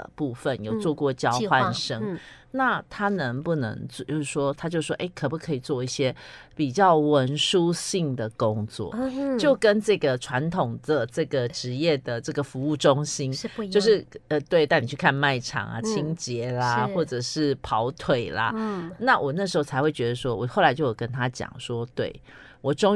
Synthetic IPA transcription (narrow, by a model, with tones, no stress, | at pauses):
pu˥˩fə˨njo˨˩ʊt͡swɔ˥˧kwɔ˥˩t͡ɕjɑ˥ʊxwa˥˧nʂə˥ŋ | na˥˩t̪ʰa˥nə˧˦˥ŋpu˥˩nə̰˧˦ŋt͡so˥˧ʊʂɻ̩˥˩ʂwɔ˥t̪ʰa˥t͡ɕjo˥˧ʂwɔ̰˥ʔe˥˩ɪkʰɤ˨˩pu˧˥kʰɤ˧˥i˨˩t͡swɔ˥˧i˥˩ɕjɛ˥pi˨˩t͡ɕjɑ˥˩ʊwə˧˥nʂu˥ɕi˥˩ŋd̪ə˩kʊ˦ŋt͡swɔ̰˥˩t͡ɕjo˥˩ʊkə˦nʈ͡ʂɤ˥˩ɡə˩ʈ͡ʂʰwa˧˦˥nt̪ʰʊ˨˩ŋd̪ə˨ʈ͡ʂɤ˥˩ɡə˩ʈ͡ʂɻ̩˧˥jɛ˥˩d̪ə˩ʈ͡ʂɤ˥˩ɡə˩fu˧˥u˥˩ʈ͡ʂʊ˦ŋɕi˥nt͡ɕjo˥˧ʊʂɻ̩˥˩ə˧˩t̪we˥˧ɪt̪a˥˩ɪni˨˩t͡ɕʰy˥˧˩kʰa˥˧nma˥˩ɪʈ͡ʂʰɑ̰˨˩ŋɐ̰˨˩t͡ɕʰi˦˥ŋt͡ɕjɛ˨˧˥lɐ˦xwɔ˥˩ʈ͡ʂə˨˩ʂɻ̩˥˩pʰɑ˧˥ʊt̪ʰwe˨˩ɪlɐ̰˦na˥˨wʔɔ˨˩na˥˩ʂ̬ɻ̩˧˥xo˥˧˩t͡sʰa˧˥ɪxwe˥˩ɪt͡ɕɥɛ˧d̪ə˧ʂwɔ˥wɔ˨˩xo˥˩la˧˦ɪt͡ɕjo˥˩ʊjo˨˩kə˦nt̪ʰa˥t͡ɕjɑ̰˨˩ŋʂwɔ˥t̪wḛ˥˩ɪ | wɔ˨˩ʈ͡ʂʊ˥ŋ